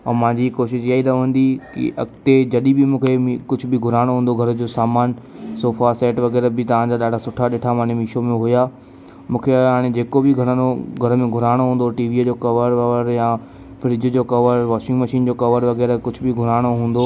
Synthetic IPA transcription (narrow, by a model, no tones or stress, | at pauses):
ɔːmãːɲd͡ʑikoːʃɪʃiaːiɾɐʋ̤ə̃nd̪ikḭʔɐkt̪ed͡ʑɐɗibɪmũːkʰekʊd͡ʑʱʊ̆bɪɡʱʊɾaːɽ̃oɦũːn̆d̪oɡʱɐɾəd͡ʑoːsaːmaːn | soːfasɛːʈʋɐɣɛːɾbɪt̪ɐʋ̤ãd͡ʑaːɗaːɖʱasʊʈʰaɗɪʈʰamãːemiːʃomẽɦʊjaː | mũːkʰeɦaːɽ̃ed͡ʑeːkobɪɡʱɐɽ̃ə̃noɡʱɐɾəmẽɡʱʊɾaːɽ̃oɦũːnd̪oʈiːʋid͡ʑoːkɐʋəɾʋɐʋəɾjã | fɪɾɪd͡ʑəd͡ʑoːkɐʋəɾʋɔːʃɪ̃ŋɡmɐʃiːnd͡ʑokɐʋəɾʋɐɣɛːɾəkʊd͡ʑʱʊ̆bɪɡʱʊɾaːɽ̃oɦũːn̆d̪o